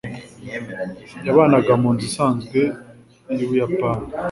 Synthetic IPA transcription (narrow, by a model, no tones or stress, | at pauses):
jaβaːnaɡamuːnzisaːnzɡwe̞ | juβujapaːni